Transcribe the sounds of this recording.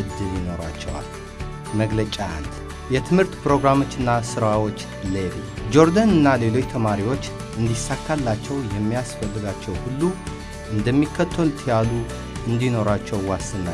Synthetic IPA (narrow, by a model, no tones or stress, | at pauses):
d̪ɨβjino̞ɾa̰t͡ʃːɛwa̰l | məɡlət͡ʃʼaa̰nd̪ | jɛt̪ʰɨmhɨɾt̪pʰɾo̞ɡɾamo̞t͡ʃːɨnːasɨɾawo̞t͡ʃː | leβid͡ʒo̞ɾd̪anɨnːale̞lo̞t͡ʃːt̪ʰəmaɾiwo̞t͡ʃː | ʔɨnd̪isakʰːalːat͡ʃːɛwjɛmːijasfəlːɨɡat͡ʃːɛwhulːu | ʔɨnd̪əmːikʰːət̪ʰːolt̪ʰjalu | ɨnd̪ino̞ɾat͡ʃːɛwwasːɨnːa